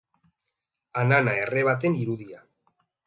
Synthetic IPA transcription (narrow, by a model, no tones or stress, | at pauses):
ananaere̞β̞at̪̬e̞niɾuðia